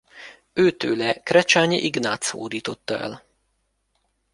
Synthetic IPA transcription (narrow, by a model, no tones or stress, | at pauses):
øːt̪øːlɛkrɛt͡ʃaːɲiʔiɡnaːt̪so̰ːd̪iːt̪o̞t̪ːɒɛ̰l